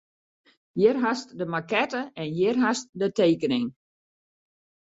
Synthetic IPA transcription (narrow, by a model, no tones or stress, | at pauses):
jɪrɦastdəmakɛtəɛnjɪrɦast̚dəteːkənɪŋ